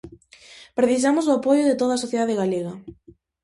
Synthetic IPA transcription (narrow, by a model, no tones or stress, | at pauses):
pɾeθis̬amʊsʊapojʊðet̪oðasoθjeðaðeɣaleɣa